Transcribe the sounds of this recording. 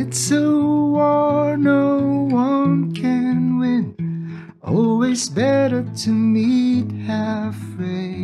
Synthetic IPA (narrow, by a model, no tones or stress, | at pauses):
ɨtsoɔnoʊwʌ̃nkʰɨ̃nwɪ̃n | ʔɔlˠwizbɛɾə˞tʰɨmit̚hæfɹe